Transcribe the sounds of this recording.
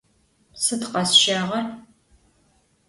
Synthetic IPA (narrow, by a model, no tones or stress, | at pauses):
sɨtqɐsʃaːʁɐr